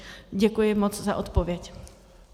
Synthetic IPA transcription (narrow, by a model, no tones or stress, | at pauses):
ɟɛkujɪmot͡sza̰ʔot̪povjɛc